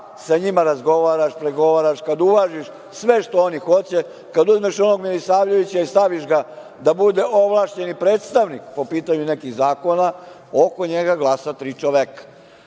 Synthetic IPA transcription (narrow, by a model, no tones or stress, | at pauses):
saɲimaɾazɡo̞ʋaːɾaʃpɾeɡo̞ʋaɾaʃkad̪ulaːʒiʃ | sʋeʃt̪oonixo̞t͡ɕe | kad̪uzmeʃo̞no̞ɡmilisaːʋʎeʋit͡ɕaist̪aʋiʃɡa | d̪abud̪e̞ʔoʋlˠaːʃt͡ɕe̞nipɾeːt̪st̪aʋnikpo̞piːt̪aɲune̞kiɣzaːko̞na | oko̞ɲeɡaɡlˠasat̪ɾit͡ʃoʋekḁ